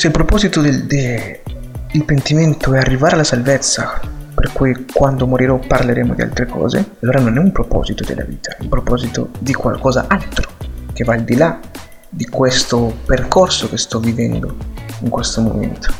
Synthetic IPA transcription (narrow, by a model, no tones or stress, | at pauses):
seilpɾopɔːzit̪od̪ed̪e | ilpent̪iment̪oɛarːivaːɾealasalvɛt̪sːaperkujkwand̪omoɾiɾɔpaɾleɾeːmod̪ia̰lt̪ɾekɔ̰ːzḛalːoːɾanonɛumpɾopɔ̰ːzit̪od̪ḛlʔa̰vḭːt̪ʰḁɛumpɾopɔzit̪o̰d̪ikwa̰lkɔːza̰ʔalt̪ɾo̥k̟evaːld̪ila | d̪ikwɛst̪operkɔrsokest̪ɔvːivɛnd̪o̰iŋkwɛst̪omo̰mɛ̰nt̪o̥